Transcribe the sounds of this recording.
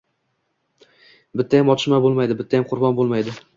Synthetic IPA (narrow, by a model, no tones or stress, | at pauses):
bɪt̪ʰːajamɒt͡ʃ̪ʰɪʃmabolˠmajd̪ɪbɪt̪ʰːajamqʰʊɾbɒnbolˠmajd̪ɪ